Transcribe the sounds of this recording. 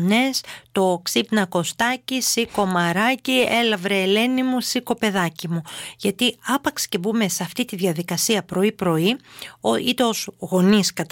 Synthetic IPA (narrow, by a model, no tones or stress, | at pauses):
ne̞st̪o̞ksipnɐko̞st̪ɐcisiko̞mɐɾɐcie̞lɐvɾeːle̞nimusiko̞pe̞ðɐcimuʝɐt̪iɐpɐksi̥cebume̞seɐft̪it̪iðʝɐðikɐsiɐpɾo̞ipɾo̞ioit̪eo̞zɣo̞niskɐt̪